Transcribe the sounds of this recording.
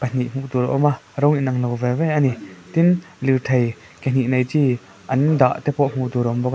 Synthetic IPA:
pan̥iʔm̥uʔd̪uɾʔɔmaɾɔŋinɐŋlɔwvɛvɛjʔanit̪in | liɾt̪ʰɐj | ken̥iʔnɐjt͡si | ʔɐnd̪a̰ʔt̪ɛpɔʔm̥uʔt̪uɾʔɔmbɔk

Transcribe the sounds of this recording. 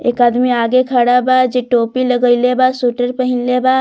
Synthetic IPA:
ḛːkaːd̪miaːɡekʰəɽabad͡ʒeʈoːpiləɡəilebaːsuːʈəɾpəɦɪnlebaː

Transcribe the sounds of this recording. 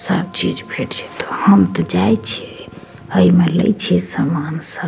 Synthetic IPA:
sə̰b̚t͡ʃid͡ʒbʱeʈt͡ʃʰɛ̥t̪ɔ̥həmt̪ɔd͡ʒajt͡ʃʰɛ | əimelə̰jt͡ʃʰɛsamansə

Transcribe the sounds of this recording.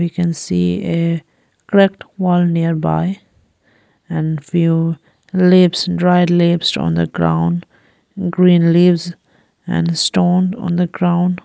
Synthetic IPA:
ʋikɛ̃nsḭːe | kɾɛkʈwɔːlniəɾba̰ɪ | ɛ̃nfjuː | lɪpsdɾaɪdlɪpsɔ̰̃nd̪ə̰ɡɾã̰ʊ̃nɖ | ɡɾĩːnliːʋz | ɛ̰̃nsʈõːndɔ̰̃nd̪əɡɾãʊ̃n

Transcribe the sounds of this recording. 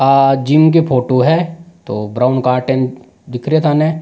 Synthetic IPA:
ad͡ʒimk̬epʰoːʈoɦɛt̪o̰ːbɾaːʊnkaːɾʈẽn | d̪ɪkʰɾiet̪ʰaːnẽː

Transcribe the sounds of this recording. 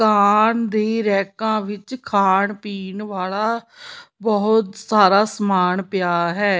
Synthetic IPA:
kʰaːnd̪eːɾɛːkãːʋɪt͡ʃkʰaːɳpiːnʋaːlaːbɔːʊt̪saːɾaːsmaːnpjaːɦɛː

